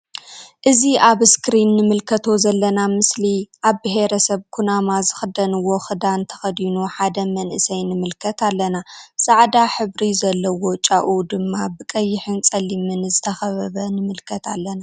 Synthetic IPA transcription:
ʔɨziʔaβskɾinːɨmɨlkʰɐt̪ʰo̞zɐlːɐnamɨsliʔaβbɨɦeɾɐsɐβkʰunamazɨxɨd̪ɐnɨwːo̞xɨd̪ant̪ʰɐ̥xɐd̪inuħad̪ɐmɐnʔɨsɐjnɨmɨlkʰɐt̪ʰalːɐnasʼaʕd̪aħɨβɾizɐlːɐwo̞t͡ʃʼaʔud̪ɨmːabɨkʼɐjːɪħɨnt͡sʼɐlːimɨnzɨt̪ʰɐxɐβɐβɐnɨmɨlkʰɐt̪ʰalːɐna

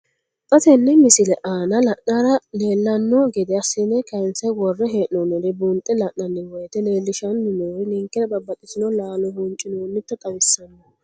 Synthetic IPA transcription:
pʼɐt̪ɛnːɛmɪsɪlɛʔaːnɐlɐʔnaɾɐle̞ːlːɐnːɔɡɛd̪ɛɐsːɪnːɛkɐjnsɛwɔrːɛɦeːʔnɔnɔd̪ɛbunt̪ʼɛlɐʔnɐnːɪwɔjt̪ɛne̞ːlːɪʃɐnːɪnoɾɪnɪŋkːɛɾɐbɐbːɐt̪ʼɪsɪnɔlaːlɔhunt͡ʃʼːɪnonːɪt̪ːɐt̪ʼɐbɪsːɐnːɔ

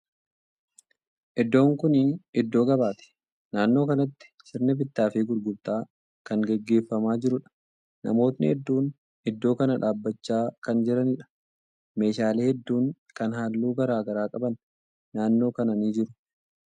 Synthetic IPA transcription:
ʔɪd̪ːo̞ːŋkʊniɪd̪ːo̞ːɡɐbaːt̪ɛ̥ | naːnːo̞ːkɐnɐt̪ːɪ̥ʃɪɾnɐbɪt̪ːaːfɪɡʊɾɡʊɾt̪aː | kɐŋɡɛɡːe̞ːfːɐmaːd͡ʒɪɾʊᶑɐ̥ | nɐ̰mo̞ːt̪nɪ̰hɛd̪ːuːn | ɪd̪ːo̞ːkɐnɐᶑaːbːɐt͡ʃːaːkɐnd͡ʒɪɾɐnɪᶑɐ̥ | me̞ːʃaːleːhɛd̪ːuːŋ | kɐnɦaːlːuːɡɐɾaːɡɐɾaːkʼɐbɐnː | aːnːo̞ːkɐnɐniːd͡ʒɪɾʊ̥

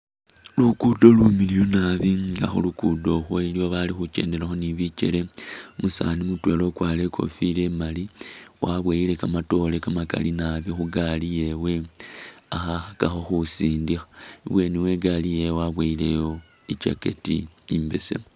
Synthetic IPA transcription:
lukudo̞lumililunaβiɡa̰xṵlukudo̞xwoilioβalixut͡ʃe̞̰ːnde̞ɾaxo̞niβit͡ʃḛɾemusa̰nimutwe̞lo̞kwaːle̞kʰo̞̰file̞maliwaβwaile̞kamato̞le̞kamaka̰linaβixuɡalije̞we̞ | axaxakaxo̞xusiːndixḁiβwe̞niwe̞ɡalijejwaβweile̞jo̞ | it͡ʃa̰kḛtḭimbḛsḛ

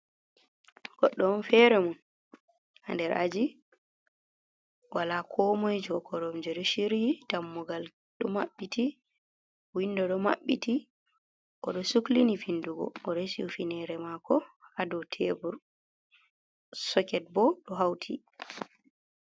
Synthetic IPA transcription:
ɡ̥ɔɗːɔɔnfɛɾɛmun | a̰ndɛɾʔa̰d͡ʒi | walakʰɔmɔjd͡ʒɔkʰɔɾɔmd͡ʒɛɗɔʃiɾjidamːuɡal | ɗɔmaɓːitʰi | windɔɗɔma̰ɓːiti | ʔɔ̰ɗɔsuklinifinduɡɔ̰ɔɾesiufinɛɾɛmakɔadɔtʰebuɾ | sɔkɛt̚bɔɗɔɦawtʰi

